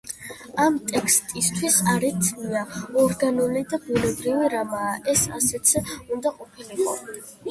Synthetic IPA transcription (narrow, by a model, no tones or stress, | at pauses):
amt̪ʼɛkʰst̪ʼist̪ʰwisaɾɛt̪ʰniaɔɾɡanulid̪abunɛbɾiviɾamaːʔɛsa̰sɛt̪sʰund̪aqʼɔpʰiliqʼɔ